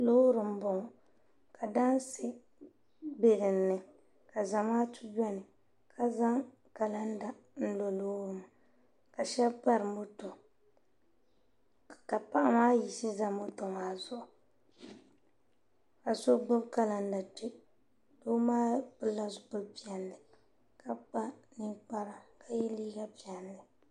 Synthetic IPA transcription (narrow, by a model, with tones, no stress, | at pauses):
loː˦ɾɨ˨m̩˨˦bo˨ŋɔ˨ | ka˨da˦n˦sɪ˦ | be˨ɾɪ˨nːɨ˨ | ka˨za˨maː˦tu˦d͡ʒɔ˦nɨ˨ | kʰa˨za˦ŋ | ka˨la˦n˦da˨n̩˦lo˨loː˦ɾɨ˨ma˨ | ka˨ʃɛ˦bpa˦ɾɨ˨mo˦to˨ | ka˨pa˦ʔa˦maː˦ji˨sɨ˦za˨mo˦to˨maː˨˦zʊ˦ʔʊ˨ | ka˨so˦ɡ͡bʊ˦bka˦la˨n̩˦da˨te˦ | do˦maː˦bɨ˦la˦zʊ˨bʊ˦bpi˦ɛ˨nlɨ˨ | ka˦k͡pa˦nɨ˦ŋk͡pa˦ɾa˨ka˨jɛ˦liː˦ɡa˦pi˨ɛ˨nlɨ˨